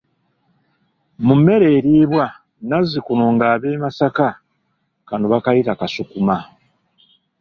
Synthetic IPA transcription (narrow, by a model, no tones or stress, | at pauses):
mumːe̞ɾe̞ːɾiːβwa | nazikunoŋɡaːβe̞ːmasaka | kanoβakajitakasukuma